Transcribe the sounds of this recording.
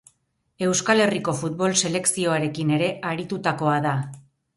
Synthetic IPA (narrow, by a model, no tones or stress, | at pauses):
e̞wskale̞riko̞fut̪̚βo̞lse̞le̞ksio̞aɾe̞kine̞ɾe̞ʔaɾit̪ut̪ako̞aða